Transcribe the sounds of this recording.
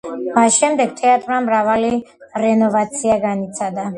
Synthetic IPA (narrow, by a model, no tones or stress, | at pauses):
masʃɛmd̪ɛɡt̪ʰɛat̪ʼɾmamɾavaliɾɛnɔvat̪sʰiaɡanit̪sʰad̪a